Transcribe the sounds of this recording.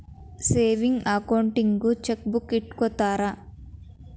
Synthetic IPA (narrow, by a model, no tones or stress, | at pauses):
seːʋiŋɡɐkɐwɳʈiŋɡut͡ʃek̚bukːiʈːkɔt̪aːɾa